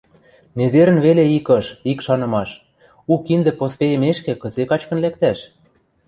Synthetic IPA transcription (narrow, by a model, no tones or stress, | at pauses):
nezeɾə̆nβeleikɤ̆ʃikʃɑnɤ̆mɑʃ | ukind̪ɘ̆pospejə̆meʃkĕkɤ̆zekɑt͡ɕkɤ̆nlæk̚t̪æʃ